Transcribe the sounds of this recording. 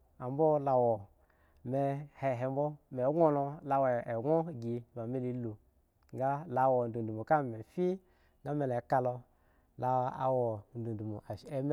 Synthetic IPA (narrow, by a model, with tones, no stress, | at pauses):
a˨m˦bɔ˦la˧wɔ˨ | me˧he˨ɦe˨m˦bɔ˦me˨˦ɡʷo˦no˧la˧wo˨e˨ɡo˦˨ɡi˧˨ba˨me˦li˨˦lu˨ | ŋɡa˦la˨wo˨n˨du˨du˨mu˨ka˦me˨fi˦ | ŋɡa˦me˨le˨˦ka˧lo˧ | la˨˦a̰˨wɔ˨n˦du˨n˨du˨mu˨a˨˦e˦m˦